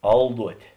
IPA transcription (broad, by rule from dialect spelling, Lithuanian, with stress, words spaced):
ˈɐlˠduɔtʲeː